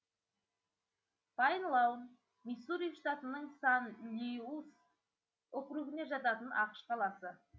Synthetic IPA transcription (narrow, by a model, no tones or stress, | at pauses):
fɑjnlˠɑwən | misuɾijfʃt̪at̪ənəɴsɑnlʲius | ʊqɾuɡɪne̞ʒɑt̪ɑt̪ənʔɑqə̥ʃqʰɑlˠɑsə